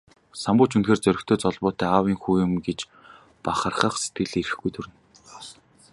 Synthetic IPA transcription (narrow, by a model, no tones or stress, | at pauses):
sampʊːt͡ɕunxeːrt͡sœɾʲɪ̆kt̪ʰoːt͡sɔɮpʊːt̪æːaːwiːŋxuːjɪ̆mɡet͡ɕ | paχə̆rχə̆χse̥t̪̚ɡɘ̆ɮiɾɘ̆xɡujt̪ʰɵɾɘ̆n